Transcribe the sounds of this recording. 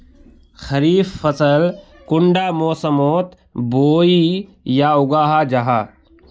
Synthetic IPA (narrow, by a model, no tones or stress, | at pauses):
xɐɾiːfːɐsəl | kʊɳɖaːmoːsəmoːt̪ | boːiː | jaːʊɡaːɦaːd͡ʒɐɦaː